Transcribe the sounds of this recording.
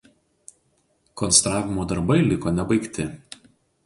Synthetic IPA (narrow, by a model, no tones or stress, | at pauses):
kɔnst̪ɾɑːʋʲɪmoːd̪ɐɾbɐɪlʲɪkoːnʲɛbɐɪkt̪ʲɪ